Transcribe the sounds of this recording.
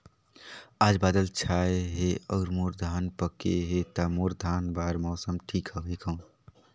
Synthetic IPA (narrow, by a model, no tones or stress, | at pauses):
aːd͡ʒbaːd̪əlt͡ʃʰaeɦeɔːɾmoːɾd̪ʱaːnpəkeɦet̪amoɾd̪ʱaːnbaːɾmɔːsəmʈʰikɦəbikʰə̃ũ